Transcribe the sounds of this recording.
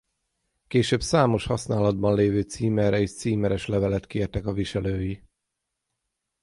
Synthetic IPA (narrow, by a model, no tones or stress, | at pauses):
keːʃøːbsaːmo̞ʃhɒsnaːlɒd̪̚bɒnleːvøːt̪siːmɛrɛiʃt̪siːmɛɾɛʃlɛvɛlɛt̪keːrt̪ɛkɒviʃɛløːji